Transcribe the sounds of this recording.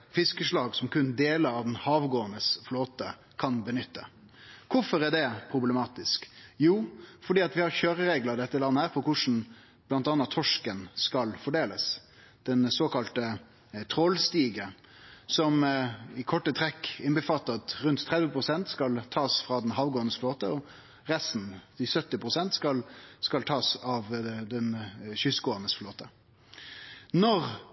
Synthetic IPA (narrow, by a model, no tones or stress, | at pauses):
fɪskəʂlɑːɡsɔmkʉnd̪eːləɾɑʋd̪ɛnhɑːʋɡoːənəsfloːt̪ə | kʰɑnbənʏt̪ʰːə | kʰʊfɔɾæɖɛpʰɾʊbləmɑːt̪ɪskjuːfɔɖiːɑt̪ʋɪhɑɾçøːɾəɾeːɡləd̪ɛt̪ːəlɑnːəhæːɾpʰɔkʰʊʂn̩ | b̥lɑnt̪ɑnːɑtt̪ʰɔʂkənskɑlfɔɖeːləs | d̪̥ɛnsoːkɑlt̪ə | t̪ʰʁoːlst̪iːɡə | sɔmɪkʰɔʈːət̪ʰʁɛkːɪnbəfɑt̪ːɑt̪ʁʉnt̪ʰːʁɛd̪ʋəpʰʁʊsɛnt̪skɑlt̪ʰɑːsfʁɑːd̪ɛnɦɑʋɡoːnəsfloːt̪əɔ | ʁɛst̪n̩d̪ɪsœt̪ːɪpʰʁʊsɛnt̪skɑlskɑlt̪ʰɑːsɑʋd̪ɛnɕʏsɡoːənəsfloːt̪ə | nɔʁ